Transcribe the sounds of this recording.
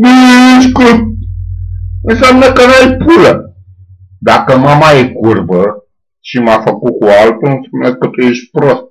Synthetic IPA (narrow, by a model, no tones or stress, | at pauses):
minemit͡ʃkut̚ | ɨnsamnəkənuajpulə | d̪akəmamaekurbə | ʃimafəkukualt̪oɨnsamnəkət̪ujeʃ̚ʲpɾost̪̚